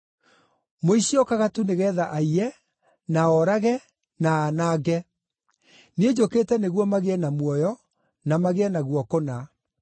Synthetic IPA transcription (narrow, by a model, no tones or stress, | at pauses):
moiɕiɔkaɣatuneɣɛːðaʔaiɛ | naɔɾaɣɛ | naːnaːɡɛ | ned͡ʑokeːtɛneɣwɔmaɣeɛnamwɔjɔ | namaɣeɛnaɣwɔkona